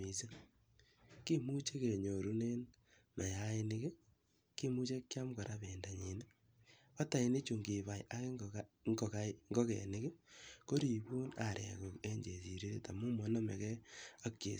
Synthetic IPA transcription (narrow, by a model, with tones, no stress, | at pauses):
i˨se˦ | ki˦mu˦t͡ʃe˦ke˨ɲo˨ɾu˦ne˦n | ma˨ja˦ɪ˦nɪ˦kɪ˦ | ki˦mu˦t͡ʃe˦kːja˦mkɔ˨ɾa˦be˨nda˨ɲi˨ne˦ | ɔ˦ta˨i˨ni˦t͡ʃu˨ŋɡi˨βa˨ja˦ke˦ŋɡɔ˨ka˦ŋɡɔ˦kḛ˨nɪ˦kɪ˦ko˦ɾi˨bu˦na˨ɾḛ˨ko˨ke˦ɲd͡ʒe˨si˨ɾi˦ɾe˨ta˨mu˦mɔ˨˦nɔ˦mḛ˨kɛ˦a˦kːḛ˨